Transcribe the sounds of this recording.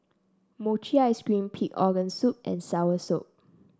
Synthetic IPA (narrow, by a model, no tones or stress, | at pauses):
mot͡ʃiajskɹĩmpʰikɔɡə̃nsup̚ʔɛ̰̃nsawəsop̚